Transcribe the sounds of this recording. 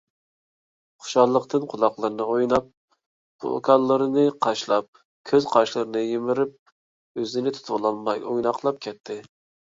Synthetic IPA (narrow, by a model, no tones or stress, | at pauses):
χʊ̥ʃɑlˠːəqt̪ʰɨnqʰʊlˠɑqlˠɨɾɨnɨojnɑp̚ | b̥ṵkʰɑlˠːəɾɨnɨqʰɑʃlˠɑp̚ | kʲʰøz̥qʰɑʃlˠɨɾɨnɨjemɪɾɪp̚ | øzɪnɪt̪ʰu̥t̪ʰʊwlˠɑlmɑ̰jojnɑqlˠɑp̚kʲʰɛt̪ʰːɪ